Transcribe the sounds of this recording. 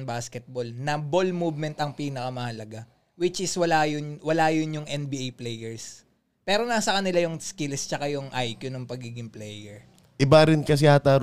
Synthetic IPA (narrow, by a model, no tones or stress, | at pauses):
ŋbaːskɛt̪̚bolnɐbolmuːbmɛnt̪ɐŋpiːnɐkɐmɐhɐlɐɡa | wɪt͡ʃʔɪswɐlajʊwɐlaːjʊnjʊŋʔɛnbiʔajplɛjɛɹs | pɛːɾo̞nasɐkɐnɪlajʊŋskɪlst͡ʃɐkajʊŋʔajkjʊnʊŋpɐɡiːɡɪŋplɛjɛɹ | ʔɪbaɾɪnkɐs̬ɛhat̪aːɾ